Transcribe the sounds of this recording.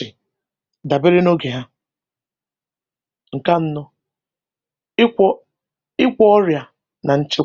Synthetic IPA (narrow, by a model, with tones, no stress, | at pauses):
ɪ˨ | da˨be˦ɾɪ˦no˦ɡe˨ɦa˦ | ŋ̩˨ka˦n̩˦nɔ˦ | ɔ˦ | ɪ˦kʷɔ˦ɔ˦ɾja˨ | na˨n̩˦t͡ʃɪ˦